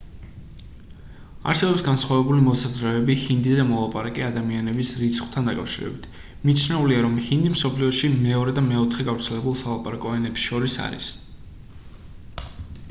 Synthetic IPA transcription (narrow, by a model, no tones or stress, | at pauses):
a̰ɾsɛbɔpsɡansχwavɛbulimɔsazɾɛɛbihind̪izɛmɔlˠapʼaɾakʼɛad̪amianɛbisɾit̪sχwt̪ʰand̪akʼa̰fʃiɾɛ̰bit̪ʰ | mit͡ʃʰnɛuliaɾɔmhind̪ismsɔpʰliɔʃimɛɔɾɛd̪amɛɔt̪ʰχɛɡavɾt̪sʰɛlɛbulˠsalˠapʼaɾakʼɔɛnɛpsʃɔɾisa̰ɾḭs